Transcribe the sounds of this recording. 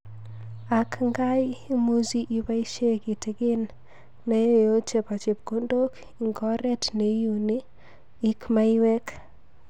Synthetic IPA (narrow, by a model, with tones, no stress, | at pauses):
a˨kŋɡa˦jmu˦zi˦ʔi˨ba˦i˦ʃe˦ki˨te˨kɪ˦n | ne˦jjo˦t͡ʃe˨pa˨t͡ʃe˨p̚ko˦ndo˦k | i˨ŋɡɔ˦ɾɛ˦tne˨˦ju˨niː˦ | kma˦iwe˦k